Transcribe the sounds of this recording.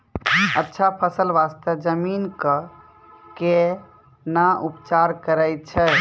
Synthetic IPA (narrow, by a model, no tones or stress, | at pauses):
ətːʃʰapʰəsəlʋast̪əd͡ʒəminkə | ke | naʔupt͡ʃaɾkəɾəjt̪̚t͡ʃʰɛ